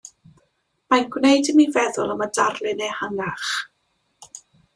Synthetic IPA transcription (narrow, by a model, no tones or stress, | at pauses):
manɡwnejdəmivɛðʊlˠəmədarlˠɪnejhaŋaχ